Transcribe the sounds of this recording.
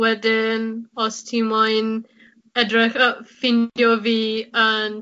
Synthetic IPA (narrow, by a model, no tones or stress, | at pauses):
wɛdɪnɔstʰimɔjn | ɛdrɪxəfɪndjɔviːən